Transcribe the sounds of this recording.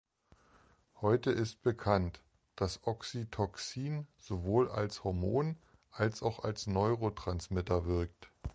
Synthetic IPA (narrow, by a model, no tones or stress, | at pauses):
hɔʏtəʔɪst̚b̥əkʰant | d̥asʔɔksitʰɔksiːnz̥ovoːla̰lshɔɐmoːn | ʔalsaʊxa̰lsnɔʏʁotʁ̥ansmɪtɐvɪɐk̚t